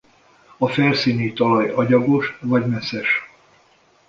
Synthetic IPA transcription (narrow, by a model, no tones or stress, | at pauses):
ɒfɛrsiːnit̪ɒlɒjɒɟɒɡo̞ʃvɒɟmɛsɛʃ